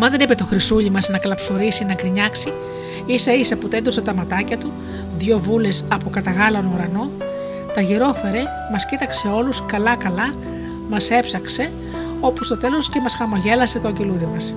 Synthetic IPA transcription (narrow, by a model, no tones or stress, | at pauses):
mɐnðenipet̪o̞xɾisuʎimɐznɐkɐlɐpso̞ɾisinɐkɾiɲɐksi | isɐisɐput̪end̪oset̪ɐmɐt̪ɐcɐt̪u | ðʝo̞vule̞sɐpokɐt̪ɐɣɐlɐnouɾɐno̞ | t̪ɐʝiɾo̞fe̞ɾe̞ | mɐscit̪ɐkse̞o̞luskɐlɐkɐlɐ | mɐse̞psɐkse̞ | o̞pust̪o̞t̪e̞lo̞sce̞mɐsxɐmoʝe̞lɐse̞t̪oɐɲɟe̞luðimɐs